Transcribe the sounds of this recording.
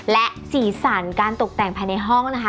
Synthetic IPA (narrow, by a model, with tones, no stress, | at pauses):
lɛ˦˥ʔsiː˨˩˦saː˩˦nkaː˧nt̪o˨˩k̚t̪ɛ˨˩ŋpʰaː˧jna˧jɦɔ˥˩ŋna˦˥kʰa˦